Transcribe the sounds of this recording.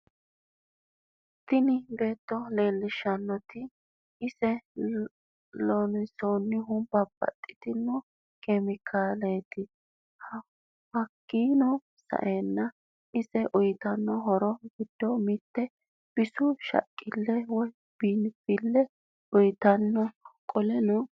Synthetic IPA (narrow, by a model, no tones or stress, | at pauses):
t̪ːɪnɪbe̞ːt̪ːɔle̞ːlːɪʃɐnːɔt̪ɪ | ɪsɛ | lɔnɪsoːnːɪɦʊb̥ɐbːɐ̰t̪ʼːɪ̥t̪ɪnːɔ | kʼɛmɪkʰaːleːt̪ɪ | hɐ | hɐkːiːnɔ | sɐ̰ʔeːnːɐ | ʔɪsɛʔʊjt̪ɐnːɔɦɔɾɔɡɪd̪ːɔmɪt̪ːɛ | b̥ɪsʊʃɐ̰kʼːɪlːɛwɔj | b̥iːnfɪlːɛ | ʊjt̪ɐnːɔkʼɔlɛnɔ